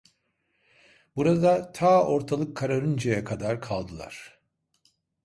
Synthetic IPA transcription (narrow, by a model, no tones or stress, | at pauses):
buɾad̪at̪ʰaːo̞ɾt̪ʰalˠɯkʰːaɾaɾɯnd͡ʒajɛkʰad̪aɾkʰalˠd̪ɯlˠa̰ɾ̥